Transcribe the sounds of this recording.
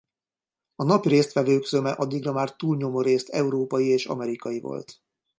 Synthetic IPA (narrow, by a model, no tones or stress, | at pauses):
ɒnɒpireːst̪ʋɛvøːkzømɛʔɒd̪ːiɡrɒmaːrt̪uːlɲo̞moɾeːst̪ɛuɾoːpɒjieːʃɒ̰mɛɾikɒjivo̰lt̪